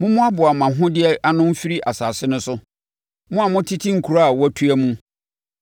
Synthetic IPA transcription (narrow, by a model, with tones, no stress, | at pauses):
mʊ̃˦mʊ̃˦a˦bʊ˨a˨mã˨ɦʊ̃˦dɪ˦ɛ˦ʔa˦nʊ̃˦m̩˦fi˦ɾi˦ʔa˨saː˨sɪ˦nʊ̃˦sʊ˦ | mʊ̃˦a˨mʊ̃˦tʰi˦tʰi˦ŋ̩˨kʰu˨ɾa˦a˨wæ˦tʰu˦æ˦mũ˦